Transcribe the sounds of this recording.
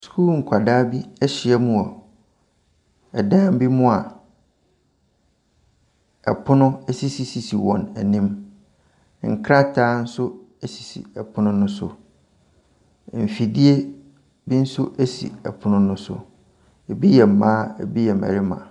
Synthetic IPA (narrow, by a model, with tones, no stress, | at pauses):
skʰu˦ŋ̩˨kʷʰa˨daː˦bi˦ɛ˦ɕɪ˨ɛ˦mũ˨ɔ˨ | ɛ˨dã˦m˦bi˦mʊ̃˦a˨ | ɛ̰˨pʰʊ˦nʊ̃˦ɛ˦si˦si˨si˨si˨wɔ̰̃˨næ˨nĩ˦m | ŋ̩˨kʰɾa˦tʰaː˦n̩˦sʊ˦ɛ˦si̥˨sḭ˨ɛ˨pʰʊ˦nʊ̃˦nʊ̃˦sʊ̰˨ | m̩˨fi˨di˦e˦ | bi˦n̩˦sʊ˦ʔæ˦sḭ˨ɛ̰˨pʰʊ˦nʊ̃˦nʊ̃˦sʊ̰˨ | bi˦jɛ˨m̩˨mã˦ɛ˨bi˦jɛ˨mæ̰˨ɾɪ˦mã̰˨